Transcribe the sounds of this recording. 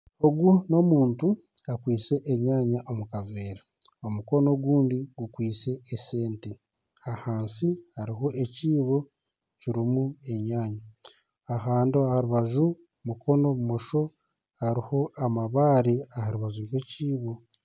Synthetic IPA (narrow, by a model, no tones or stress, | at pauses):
o̞ɡuno̞muːntu | akwiːt͡se̞ʔeɲaːɲaʔomukave̞ːɾa | o̞muko̞no̞ɡuːndiɡukwiːt͡se̞ːse̞ːnte | hahaːnsihaɾiɦo̞ʔe̞ciːβo̞ | ciɾimue̞ɲaːɲaː | ɦaːndiahaɾuβaʒu | muko̞no̞umoʃo̞ | haɾiho̞amaβaːɾeahaɾuβaʒuɟweciːβo̞